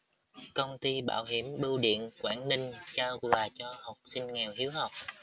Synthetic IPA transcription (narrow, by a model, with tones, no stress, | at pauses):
kə˧wŋ͡mt̪i˧ɓa̰ː˧˨wɦi˧˩mɓɨ˧wɗḭ˧˨ənkwaː˧˩nnï˧ŋ̟t͡ɕaː˧wvaː˨˩t͡ɕɔ˧hə˨˩wk͡p̚sï˧ŋ̟ŋɛ˨˩whi˨˦əwhə˨˩wk͡p̚